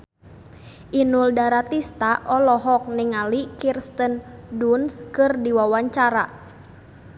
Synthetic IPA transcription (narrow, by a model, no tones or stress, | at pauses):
ʔinuldaɾat̪ist̪aʔɔlɔɦɔk̚nɪŋalikirst̪əndunskɨrdiwawaɲt͡ʃaɾa